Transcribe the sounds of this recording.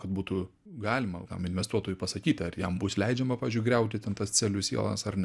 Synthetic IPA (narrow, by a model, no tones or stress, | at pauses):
kɐt̪̚buːt̪u | ɡɑːlʲɪmɐt̪ɐ̰mɪnʲʋʲɛst̪uɔt̪oːjʊːpɐsɐkʲiːt̪ʲɐrjɛmbʊslʲɛɪd͡ʒʲɛmɐpɑːʋʲɪzʲd͡ʒʊɪɡɾʲɛʊt̪ʲɪt̪ʲɛnt̪ɐst͡s̪ʲɛlʲʊsʲḭɛ̰lˠɐ̰sɐrnʲ